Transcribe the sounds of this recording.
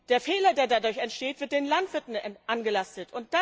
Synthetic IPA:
d̥eːɐfeːlɐdeːɐdadʊɐçɛntʃteːtv̥ɪɐt̚d̥eːnlantv̥ɪɐtn̩ʔanɡəlastətʊnt̚d̥a

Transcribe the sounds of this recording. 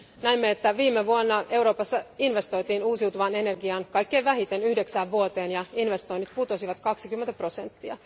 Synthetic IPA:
næimːeet̪ːæʋiːmːeʋuonːɑe̞uwɾo̞ːpɑsːɑinʋe̞st̪o̞jt̪iːnuːsiwt̪uʋɑne̞ne̞rɡiɑnkɑjkːe̞ːʋæɦit̪e̞nyhde̞ksæːʋʋuot̪e̞ːnjɑinʋe̞st̪o̞nːit̪put̪o̞siʋɑt̪kɑksikymːent̪æpro̞se̞nt̪ːiɑ̰

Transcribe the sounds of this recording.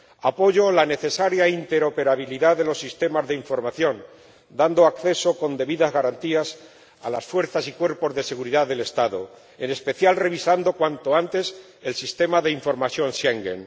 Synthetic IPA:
apo̞ʝo̞lane̞θe̞saɾjaint̪e̞ɾo̞pe̞ɾaβ̞iliðaðe̞lo̞sːist̪e̞mazðeiɱfo̞ɾmaθjo̞n | d̪and̪oakθe̞so̞ko̞nd̪e̞βiðazɣaɾant̪ias | a̰la̰sfwe̞ɾθasikwe̞ɾpo̞zðe̞se̞ɣuɾiðaðe̞le̞st̪aðo̰ | e̞ne̞spe̞θjalre̞β̞isand̪o̞kwant̪oant̪e̞s | e̞lsist̪e̞maðe̞iɱfo̞ɾmaθjo̞nʃeŋɡḛn

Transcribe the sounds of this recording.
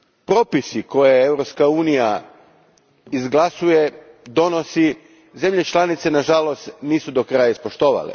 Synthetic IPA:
pɾo̞ːpisiko̞jeeʋɾo̞pskauːnija | izɡlˠasuje̞ | d̪o̞no̞si | ze̞mʎe̞t͡ʃlˠanit̪se̞naʒalo̞st̪niːsud̪o̞kɾajaispo̞ʃt̪o̞ːʋa̰lḛ

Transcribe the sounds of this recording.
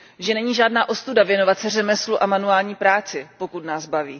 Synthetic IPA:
ʒɛnɛɲiːʒaːdnaːʔo̞st̪udavjɛno̞vat̪sɛrɛmɛsluʔamanuaːlɲiːpɾaːt͡sɪpo̞kut̪naːzbaviː

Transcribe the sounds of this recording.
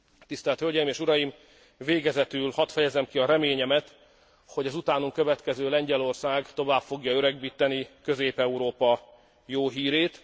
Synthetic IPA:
t̪ist̪ɛlt̪hølɟɛjimeːʃuɾɒjim | veːɡɛzɛt̪ylhɒt̪fɛjɛzɛmkiɒɾɛmeːɲɛmɛt̪ | ho̞ɟɒzut̪aːnuŋkø̞vɛt̪kɛzøːlɛɲɟɛlo̞rsaːɡt̪o̞vaːpfo̞ɡjɒøɾɛɡ̚biːt̪ɛnikø̞zeːpɛuɾoːpɒ | joːɦiːɾeːt̪

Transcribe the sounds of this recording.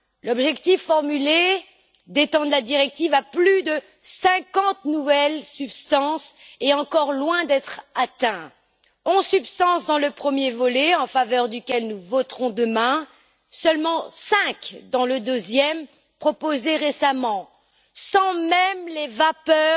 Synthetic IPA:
lɔbʒɛkt̪ifːɔʁmyle | d̪et̪ɑ̃d̪lad̪iʁɛk̚t̪ivaplyd̪ə | sɛ̃kɑ̃t̪nuvɛlsypst̪ɑ̃seɑ̃kɔʁlwɛ̃d̪ɛt̪χat̪ɛ̃ | ɔ̃zsypst̪ɑ̃sd̪ɑ̃ləpχəmjevɔleɑ̃favœʁd̪ykʲɛlnuvɔt̪χɔ̃d̪əmɛ̃ | sœlmɑ̃sɛ̃kd̪ɑ̃ləd̪øzjɛm | pχɔpozeʁesamɑ̃ | sɑ̃mɛmlevapœ

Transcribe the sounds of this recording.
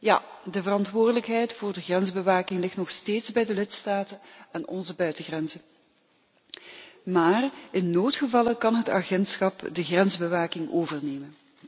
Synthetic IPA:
ja̰ːdəvərɑntʋʊːrdələkɦɛjtfʊːrdəɣrɛnzbəʋaːkɪŋlɪxtnɔxsteːtzbɛjdəlɪtstaːtənɛnɔ̰nzəbœɥtəɣrɛnzə | maːrɪnːoːtχəvɑlˠəkɑnɦəta̰ɣɛntsxɑpdəɣrɛnzbəʋaːkɪŋoːvərneːmən

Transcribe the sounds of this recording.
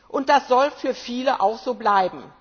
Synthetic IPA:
ʔʊnt̚d̥asz̥ɔlfyːɐfiːləʔa̰ʊxz̥oːblaɪbm̩

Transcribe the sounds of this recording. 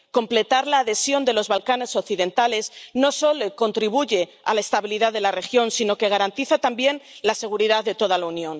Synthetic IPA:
ko̞mple̞t̪aɾlaːðe̞sjo̞nd̪e̞lo̞zβalkane̞so̞kθiðe̞nt̪ale̞zno̞so̞loko̞nt̪ɾiβ̞uʝe̞ | a̰laest̪aβiliðaðe̞lare̞xjo̞nsino̞ke̞ɣ̞aɾant̪iθat̪ambje̞nlase̞ɣ̞uɾiðaððe̞t̪o̞ð̞alaunjõ̞n

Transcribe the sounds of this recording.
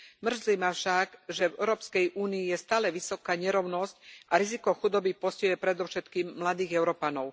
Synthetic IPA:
mr̩zlimafʃaɡʒɛvɛʊɾɔːpskɛjʔuːniːjɛst̪aːlɛʋisɔkaːɲɛɾɔʊnɔscʔaɾizikɔxud̪ɔbipɔscɛjɛpɾɛd̪ɔʊʃɛt̪kiːmːlad̪iːɣɛʊɾɔpanɔʊ

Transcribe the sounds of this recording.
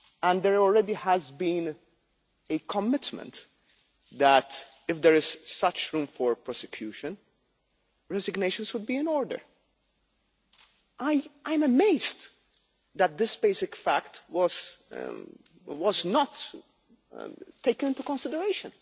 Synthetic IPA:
æ̃nd̪ɛɹɔlɹɛd̪ihæzbĩn | ekʰɔmɪt̪mə̰̃nt̪ | ðæt | ɪfd̪ɛɹɪz̥sʌt͡ʃɹũmfɔɹpɹɔsɛkʰjuːʃə̃n | ɹɛzɪɡneɪʃə̃nswʊd̪̚biːɪ̃nɔːɹdə̰ɹ | ʔaɪʔãɪ̃məmeɪzd | d̪æt̪̚d̪ɪsbeɪsɪkfæktwɔz̥̰ | wɔznɔt | t̪eɪkə̃nɪ̃nt̪ukɔ̃nsɪd̪əɹeɪʃə̃n

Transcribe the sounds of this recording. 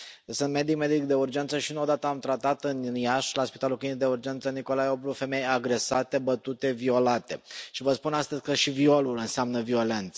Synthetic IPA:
sɨnt̪me̞d̪ikme̞d̪ikd̪e̞urd͡ʒe̞nt̪səʃiɨnod̪at̪əamt̪ɾat̪at̪ɨnnjaʃlaspit̪alulkinid̪eurd͡ʒe̞nt̪səniko̞lajo̞bɾufe̞me̞jaɡɾe̞sat̪e̞bət̪ut̪e̞vio̞lat̪e̞̰ʃivəspunast̪əzʲkəʃivio̞lulɨnseamnəvio̞le̞nt̪sə

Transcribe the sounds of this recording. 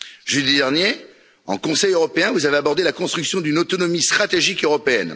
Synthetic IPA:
ʒød̪id̪ɛʁnje | ɑ̰̃kɔ̃sɛjøʁɔpeɛ̃vuzaveabɔʁd̪elakɔ̃st̪χyksjɔ̃d̪ynot̪ɔnɔmist̪χat̪eʒikøʁɔpeɛn

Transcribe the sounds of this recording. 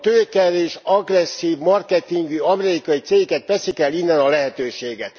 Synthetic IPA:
t̪øːkɛɾeːʃɒɡrɛsːiːvmɒrkɛt̪iŋɡyɒmɛɛɾikɒjit̪seːkɛt̪ʋɛsikɛlːinːɛnɒlɛɦɛt̪øːʃeːɡɛt̪

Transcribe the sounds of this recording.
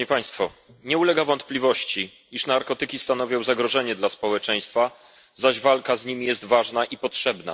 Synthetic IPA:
ɛpaj̃st̪fɔ | ɲɛulɛɡavɔnt̪plʲivɔɕt͡ɕi | iʂnaɾkɔt̪ɘkʲist̪anɔvʲɔ̃w̃zaɡɾɔʐɛɲɛd̪laspɔwɛt͡ʂɛj̃st̪fa | zaʑvalkazɲimʲijɛst̪vaʐnaʔipɔtʂɛbna̰

